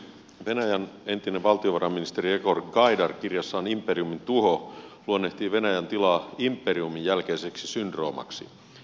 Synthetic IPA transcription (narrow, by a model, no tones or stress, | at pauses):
ʋenæjæne̞nt̪ineʋʋɑlt̪ioʋɑrɑmːinist̪eriekorɡɑidɑrkirjɑsːɑːnimpːˑeriumint̪uɦoluonːeht̪iːʋe̞næjænt̪ilɑːimpːˑeriumijjælkeiseksisynd̪ro̞ːmɑ̰ksḭ